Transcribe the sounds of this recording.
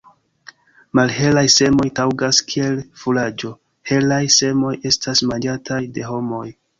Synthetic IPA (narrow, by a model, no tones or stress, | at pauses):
malɦe̞lajse̞mo̞jtawɡaskʰie̞lfulad͡ʒo̞ | he̞lajse̞mo̞je̞stʰasmand͡ʒatʰajde̞ɦo̞mo̞j